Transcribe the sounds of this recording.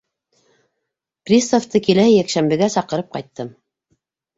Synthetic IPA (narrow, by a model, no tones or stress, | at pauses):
prʲist̪oft̪ɤkilæhɘjækʃæmbɘ̆ɡæsɑqɤ̆ɾɤp̚qɑjt̪ːɤm